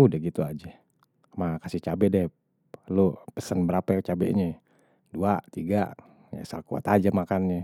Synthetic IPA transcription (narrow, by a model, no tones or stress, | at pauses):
udɛɡit̪uad͡ʒa | makasiht͡ʃabɛdɛh | lopəsənbəɾapat͡ʃabɛ̰ʔɲɛ | duat̪iɡaʔ | ja̰sa̰lkua̰t̪ad͡ʒamakanɲɛ